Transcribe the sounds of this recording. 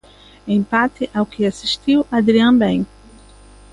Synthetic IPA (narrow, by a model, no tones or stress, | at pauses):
ẽj̃paɾt̪ɪʔawkɪasiʃt̪iwad̪ɾiɐ̃bẽj̃